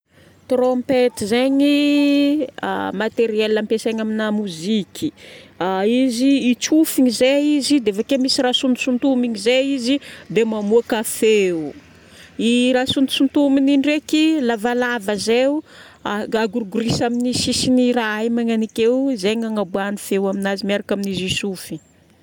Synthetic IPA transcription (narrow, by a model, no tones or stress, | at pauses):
t̪rompet̪izeɲi | mat̪eɾiɛlːampeseɲaminamuzikʲʰi | iziːt͡ʃufiɲizeizid̪eafakemisirasund̪usunt̪umiɲizeizid̪emamuakafeu | iɾasunt̪u̥sunt̪umininɖ͡ʐekilavalavəzeu | aɡuɾuɡuɾisaminisisiniɾaajmaŋanikewzeŋaŋabuanifewaminazimiaɾakaminizisufi